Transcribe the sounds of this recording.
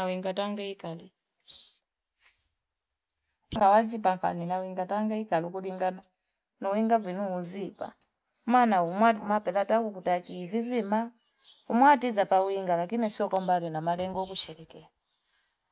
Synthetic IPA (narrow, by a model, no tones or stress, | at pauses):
awiŋɡataŋɡɛikali | ŋɡawazipaŋkʰa̰ninawiŋɡataŋɡɛikalukuɗiŋɡana | nɔwiŋɡavinuuzipa̰ | manaumwaumapɛlatakukutakivizima | umwatizapawiŋɡalakinisiɔkɔmbalɛnamalɛŋɡɔkut͡ʃɛɾɛkɛla